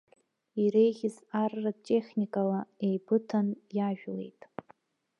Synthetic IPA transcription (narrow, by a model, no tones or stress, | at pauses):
iɾe̞jɣʲɪzarːat͡ʃʼe̞χʲnʲikʼalaejbɨtʰanjaʒᶣle̞̰jtʼ